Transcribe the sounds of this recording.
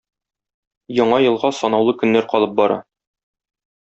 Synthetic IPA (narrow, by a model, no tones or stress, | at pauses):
jɒɴɑjɤ̆lˠʁɑsɒnɑwlˠɤkɵ̆nːæɾqɒlˠɤp̚bɒɾɑ̰